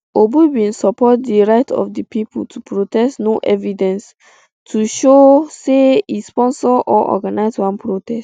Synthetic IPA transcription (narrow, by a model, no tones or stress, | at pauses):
obuwĩnsɔpɔt̚diɹaɪtʰɔ̰fdipiputʰupɹotɛstnoʔɛvidɛ̃ns | tʰuʃoseispɔ̃nsɔʔɔʔɔ̰ɡanaɪzwãnpɹotɛst